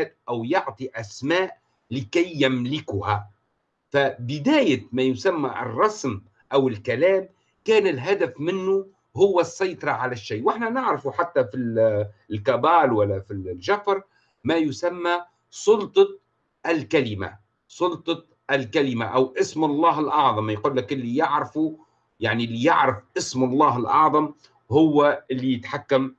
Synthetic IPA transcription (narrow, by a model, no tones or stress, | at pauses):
t̪̚ʔawjʊʕt̪ˤiʔasmaːʔ | lɪkajːamlɪkʊha | fabɪd̪aːjamajʊsamːaʔɨ̰rˤːɑsm | ʔawɪlkalaːm | kaːnɪlɦad̪afmɪnːʊ | hʊwːasˤːɑjt̪ˤɑɾˤɑʕalaʃːaːwʔɪħnanɪʕɾafuħat̪ːafillkabaːlwalːafiʒafɾˤ | majʊsamːa | sˤʊlt̪ˤɑ | ʔɪlkalɪma̰ | sˤʊlt̪ˤɑ | ʔalkalɪmaʔawʔɪsmɑlˤːɑːɦɪlʔɑʕðˤɑmjquːlːakʔɪlːijɪʕɾɪfu | jaʕnilːijɪʕɾɪfʔɪsmɑlˤːɑːɦɪlʔɑ̰ʕðˤɑm | hʊwːaʔɪlːijɪt̪ħakːam